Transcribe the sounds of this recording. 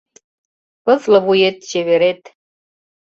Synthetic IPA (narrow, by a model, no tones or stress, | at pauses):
pəfləβujet̪̚t͡ɕeβeɾet̪